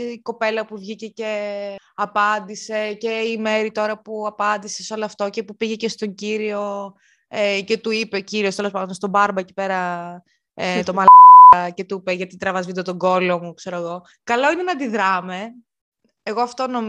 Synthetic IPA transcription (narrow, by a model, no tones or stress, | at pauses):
ko̞pe̞lɐpuvʝice̞ceɐpɐnd̪ise̞ceime̞ɾit̪o̞ɾɐpuɐpɐnd̪ise̞seo̞loɐft̪o̞ce̞pupiʝe̞cest̪o̞ɲɟiɾio̞ | ecet̪uipeciɾiost̪e̞lo̞s̬ɐnd̪ost̪obɐɾbɐeci̥pe̞ɾɐ | et̪omɐlɐɐce̞t̪uipeʝɐt̪it̪ɾɐvɐzvid̪ot̪o̞ɡo̞lomukse̞ɾoeɣo̞ | kɐlo̞inenɐnd̪iðɾɐme̞ | eɣoɐft̪o̞no̞m